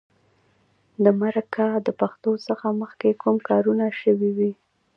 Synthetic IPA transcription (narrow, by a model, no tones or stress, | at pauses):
d̪əmaɾakad̪əpaxt̪osəxaməxkekʰumkɑɾunaʃəwiwi